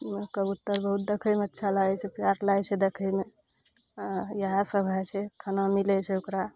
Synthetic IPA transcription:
kəbut̪ːəɾbəɦut̪̚d̪ekʰəjmeətːʃʰalaɛt͡ʃʰɛpjaɾlaɛt͡ʃʰɛd̪ekʰəme | jəɦasəbʱajt͡ʃʰɛkʰənamilɛt͡ʃʰɛukɾa

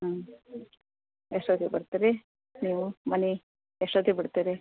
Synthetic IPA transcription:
a | eʂʈod̪ʱibɐɽt̪iːɾe | niːʋumɐni | eʂʈoːd̪ibiɽt̪iɾi

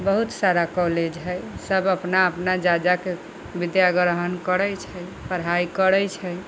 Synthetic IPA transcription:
bəɦut̪saɾakɔled͡ʒɦəjsəbəpnaəpnad͡ʒad͡ʒake | bid̪jaɡɾəɦənkəɾəjt͡ʃʰəj | pəɾɦaikəɾəjt͡ʃʰəj

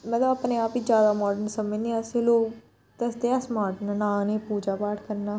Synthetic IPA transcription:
mət̪ləbapneːaːpiːd͡ʒjaːd̪aːmɔːɖənsəmẽnĩːaseːloːk | t̪əsd̪eaːsmaːɾʈnanãːneːpuːd͡ʒaːpaːʈʰkəɾnaː

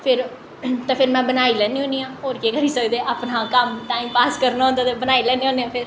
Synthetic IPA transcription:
pʰɪɾ | t̪ãːpʰɪɾmɛ̃ːbənaːiːlɛ̃ːniːɦõːniːãːɦoːɾkeːkəɾiːsəkd̪eːʔaːpnaːkəmʈaːiːmpaːskəɾnaɦõːnd̪aːt̪ẽːbənaːilɛːniːɦõːniãːpʰɪɾ

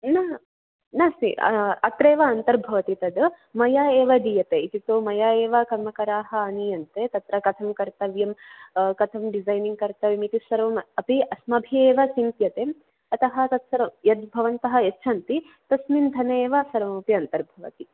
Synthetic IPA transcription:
nɐ | nɐsiɐt̪ɾeːʋɐːnt̪ɐɾbʱɐʋɐt̪it̪ɐd̪ | mɐjaːeːʋɐd̪ijɐt̪eit̪it̪oːmɐjaːeːʋɐkɐɾmɐkɐɾaːɦɐ̆ɐnijɐnt̪et̪ɐt̪ɾɐkɐt̪ʰɐmkɐɾt̪ɐʋjɐmkɐt̪ʰɐmɖizajniŋɡ̚kɐɾt̪ɐʋjɐmit̪isʋɐɾʋɐmɐpiʔɐsmɐbʱieːʋɐsint̪jɐt̪e | ɐt̪ɐɦɐ̆t̪ɐt̪sɐɾɐmjɐt̪̚bʱɐʋɐnt̪ɐɦɐetːʃʰɐnt̪i | t̪ɐsmind̪ʱɐnɐeːʋɐsʋɐɾɐmɐpiɐnt̪ɐɾbʱɐʋɐ̰t̪i

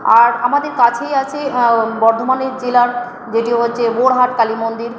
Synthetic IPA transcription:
aɾamad̪eɾkat͡ɕʰejat͡ɕʰebɔɾd̪ʱomaneɾd͡ʑelaɾ | d͡ʑeʈiɦotːɕʰeboɽɦaʈkalimond̪iɾ

